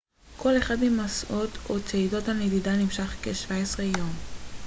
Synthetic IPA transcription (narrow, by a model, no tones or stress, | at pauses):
kʰo̞le̞χadmimasʔotʰot͡seido̞thanedidanimʃaχkeʃvaesʁejo̞m